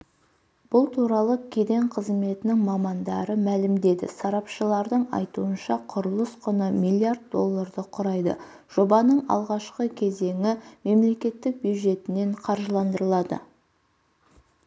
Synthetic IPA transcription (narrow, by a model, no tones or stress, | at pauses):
b̥ʊlˠt̪ʰuɾɑlˠəkʲʰe̞d̪e̞ɴqʰəzme̞t̪ɪnɪŋmɑmɑnd̪ɑɾəmælɪmd̪e̞d̪ɪ̰sɑɾɑpʃəlˠɑɾd̪əɴɑ̰jt̪uənʃɑqʰʊɾəlˠəsqʰʊnəmijlʲˠijard̪̚d̪o̞lˠːaɾd̪əqʰʊɾɑjd̪ə̰ | ʒ̥o̞bɑnəɴɑ̰lˠʁɑʃqəkʲʰe̞ze̞ŋɪme̞mle̞kʲe̞t̪ːɪk̚bjuw̪ʒe̞t̪ɪne̞ɴqʰɑɾʒəlˠɑnd̪əɾəlˠɑd̪ə̰